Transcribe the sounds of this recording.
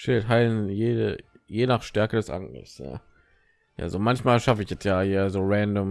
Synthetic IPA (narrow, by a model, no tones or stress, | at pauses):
ʃɪltɦaɪlənjeːdə | jeːnaːχʃtɛɐkədɛsʔa̰ŋə̰sja̰ː | ja̰ːzoːmançmaːlʃafəɪçjɛt͡stjaːʔeːɐzoːʁɛndom